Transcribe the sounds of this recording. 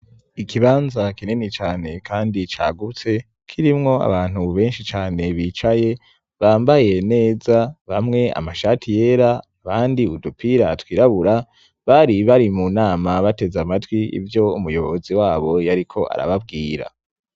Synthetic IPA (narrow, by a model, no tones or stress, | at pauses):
ikʰiβaːnzakininit͡ʃaːne̞kʰaːndit͡ʃa̰ːɡut͡se̞ | kʰiɾimŋo̞a̰βaːn̥huβe̞ːnʃit͡ʃaːne̞βiːt͡ʃaje̞ | βaːmbaje̞ne̞ːzaβamŋe̞a̰maʃatʰije̞ːɾa | βaːndiudupʰiɾatwiːɾaβuɾa | βaɾiβaɾimunaːmaβate̞zamatwiḭvjo̞umujo̞βoziwaːβo̞jaɾikʰo̞ʔa̰ɾa̰βab̚ɡiːɾa̰